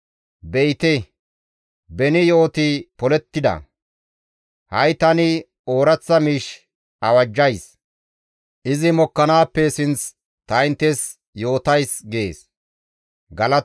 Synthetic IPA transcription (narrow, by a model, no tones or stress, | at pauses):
bɛjt̪e | bɛnɪjo̞ːt̪ɪpɔlɛt̪ːɪd̪ɐ̰ | hɐjt̪ɐnɪ | o̞ːɾɐt͡sːɐmiːʃ | ɐwɐd͡ʒːɐjs | ʔɪzɪmɔkːɐnaːpːɛsɪnt͡s | t̪ɐjɪnt̪ːɛs | jo̞ːt̪ɐjsɡḛːs | ɡɐlɐ